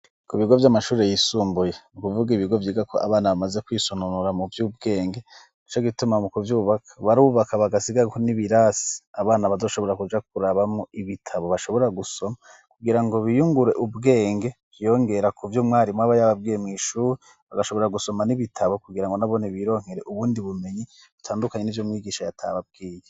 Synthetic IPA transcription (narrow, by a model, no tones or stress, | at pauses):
kuiβiɡo̞vjamaʃuːɾe̞jisuːmbuje̞mukuvuɡiβiɡo̞vjiːɡakʰoʔa̰βaːnaβamaze̞kwiːsonunuɾamuvjuːb̚ɡe̞ːŋɡe̞ | it͡ʃoɡitumamukuvjuːβakʰaβaɾuːβakaβaɡasiɡaɡkoniβiɾasi̥aβaːnaβazo̞ːʃo̞βo̞ɾakud͡ʒak̚uɾaβamŋoiβitʰaβo̞βaʃo̞βo̞ɾaɡuso̞ma | kuɡiɾaŋɡo̞βijuŋɡuɾe̞ʔubɡe̞ːŋɡe̞ | ɾjo̞ŋɡe̞ɾakʰuvjomŋaːɾimwaβajaβab̚ɡiːjemŋiːʃuːɾi | βaɡaʃo̞βo̞ɾaɡuso̞maniβitʰaβo̞kuɡiɾaŋɡo̞naβo̞neβiɾo̞ːŋ̥eɾe̞ʔuβuːndiβume̞ɲi | βutʰaːndukaɲenivjomŋiːɡiːʃajatʰa̰βab̚ɡ̥iːje